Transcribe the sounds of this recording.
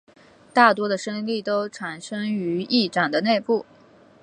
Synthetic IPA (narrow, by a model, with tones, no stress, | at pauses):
t̪a˥˩t̪wɔ˥d̪ə˨ʂə˥ŋli˥˩t̪o˥ʊʈ͡ʂʰa˨˩nʂɤ˥ŋy˧˥i˥˩ʈ͡ʂa˨˩nd̪ə˦ne˥˧ɪpu˥˩